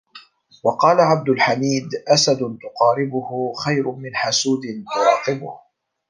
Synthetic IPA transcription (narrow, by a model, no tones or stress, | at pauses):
wɑqɑːlaʕab̚d̪ʊlħamiːd̪ʔasad̪ʊt̪ʊqɑːɾɪbʊhʊxajɾʊmɪnħasuːd̪ɪnt̪ʊɾɑːqɨbʊ̰h